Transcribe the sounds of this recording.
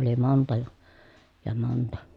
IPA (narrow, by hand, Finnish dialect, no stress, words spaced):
ʔoli montɑ jɑ jɑ montɑ